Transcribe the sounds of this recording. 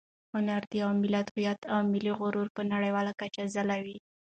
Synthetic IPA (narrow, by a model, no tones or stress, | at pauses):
hʊnaɾd̪iawmɪlat̪hujat̪awmɪliɣʊɾuɾpənaɽajwɑlakat͡ʃazalawi